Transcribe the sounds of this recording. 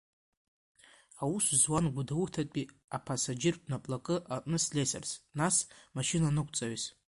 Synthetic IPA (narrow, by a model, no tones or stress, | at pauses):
awuszwanɡʷudawutʰatʼi | apʰasad͡ʒɪrʼnapʼlakʼɨʔaʔʼnɨslʲesḛrsnasmaʃinanɨkʷʰʼt͡sʼaɥiz